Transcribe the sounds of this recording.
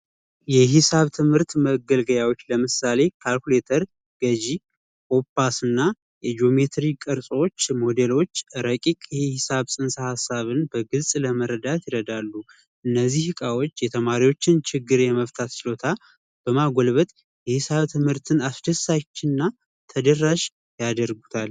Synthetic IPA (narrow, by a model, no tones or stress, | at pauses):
jɛɦɪsaβt̪ʰɨmhɨɾt̪məɡəlɡəjawo̞t͡ʃːləmɨsale̞kʰalkule̞t̪ʰəɾ | ɡ̥əd͡ʒi | ko̞pːasɨnːa | jɛd͡ʒo̞me̞t̪ɾikʼɨɾsʼwot͡ʃːmo̞d̪e̞lo̞t͡ʃːɾəkʼikʼjɛhɪsaβsʼɨnsahasːaβɨnbəɡɨlsʼləməɾəd̪at̪jɪɾəd̪alːu | ʔɨnːəzːihhɨkʼawot͡ʃːjɛt̪ʰəmaɾiwo̞t͡ʃːɪnt͡ʃʰɪɡːɨɾjɛməft̪ʰat̪t͡ʃɪlo̞t̪ʰa | b̥əmaɡolβət̪ʼ | jɛhɪsaβt̪ʰɨmhɨɾt̪ʰɨnasd̪əsːat͡ʃːɪnːa | t̪ʰəd̪ərːaʃ | jad̪əɾɡu̥t̪ʰal